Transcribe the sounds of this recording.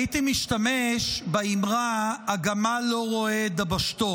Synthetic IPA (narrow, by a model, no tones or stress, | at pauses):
it̪imiʃtameʃbaimʁaːɡamalo̞ʁo̞ed̪abaʃt̪o